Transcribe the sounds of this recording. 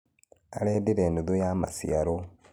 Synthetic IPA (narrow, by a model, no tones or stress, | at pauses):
aɾeːdiɾeːnduðojama̰sḭaɾo